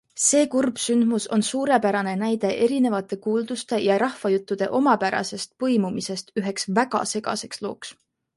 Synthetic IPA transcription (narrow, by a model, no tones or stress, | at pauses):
se̞ːkurb̥synd̪̥muso̞nsuːɾe̞pæɾɑne̞næjd̪̥e̞ʔe̞ɾine̞vɑt̪ːˑe̞kuːld̪̥ust̪e̞jɑɾɑhvɑjut̪ːˑud̪̥e̞̰ʔo̞mɑpæɾɑ̰se̞st̪̚pɤjmumise̞st̪yɦe̞ksvæɡ̥ɑ̰se̞ɡ̥ɑ̰se̞kslo̞̰ːks